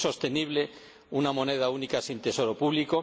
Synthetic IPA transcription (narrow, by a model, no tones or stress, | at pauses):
so̞st̪e̞niβ̞le̞ | unamo̞ne̞ð̞aunikasint̪e̞so̞ɾo̞puβliko̞